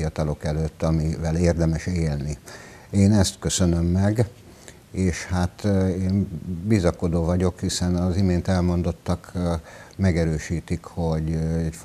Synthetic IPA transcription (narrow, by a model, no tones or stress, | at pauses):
iɒt̪ɒlo̞kɛløːt̪ːɒmivɛleːrd̪ɛmɛʃeːlni | eːnɛst̪kø̞sø̞nømːɛɡ | eːʃhat̪eːnbizɒko̞d̪oːvɒɟo̞khisɛnɒzimeːnt̪ɛlmo̞nd̪o̞t̪ːɒk | mɛɡɛɾøːʃiːt̪ikho̞ɟɛɟf